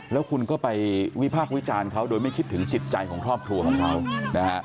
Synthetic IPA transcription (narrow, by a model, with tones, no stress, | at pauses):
lɛː˦˥wkʰu˧nkɔː˥˩pa˧jwi˦˥pʰaː˥˩k̚wi˦˥t͡ɕaː˧nkʰa˦˥wdoː˧jma˥˩jkʰi˦˥t̪ʰːɯ˩˦ŋt͡ɕi˨˩t̪̚t͡ɕa˧jkʰɔː˩˦ŋkʰɾɔː˥˩p̚kʰɾu˧ɐkʰɔː˩˦ŋkʰa˦˥wna˦a˦˥ʔ